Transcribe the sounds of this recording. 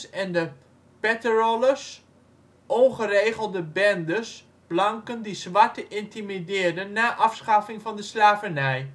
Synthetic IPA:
sɛndə | pɛtəroləs | ʔɔnχərejχəlˠdəbɛndəs | b̥lɑŋkəndisʋɑɹtəʔɪntimidɪːɹdənːaːʔɑfsχafɪŋvɑndəslaːvənɛj

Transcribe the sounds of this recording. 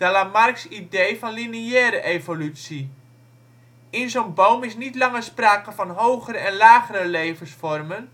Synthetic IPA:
d̥alamarksidejfɔnliniɛːɾəʔejvolytsi | ɪnzownbowmɪsnitlɑŋəspraːkəfɔnɦowχəɾəɛnlaːɣəɾəlejvəsfɔrmən

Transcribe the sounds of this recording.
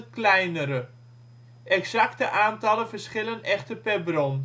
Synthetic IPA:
klɛjnəɾə | ʔɛksaktəʔaːntɑləvərsχɪlənɛχtəpɛrbrɔn

